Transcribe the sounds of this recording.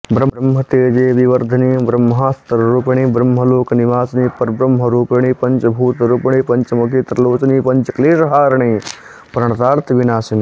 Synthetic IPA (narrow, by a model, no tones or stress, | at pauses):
bɾɐɾɐmɦɐt̪eːd͡ʒeːʋiʋɐɾd̪ʱɐniːbɾɐmːɦaːst̪ɐɾɾuːpɐɽ̃iːbɾɐmɦɐloːkɐniʋaːsniːpɐɾbɾɐmɦɐɾuːpɐɳ̃iːpɐɲt͡ʃɐbʱuːt̪ɾuːpɳ̃iːpɐɲt͡ʃɐmɐkʰeːt̪ɾɐloːt͡ʃɐniːpɐɲt͡ʃɐkleːʃɐɦaːɾɐɳ̃iː | pɾɐɳ̃ɐt̪aːɾt̪ʰʋinaːsɐniː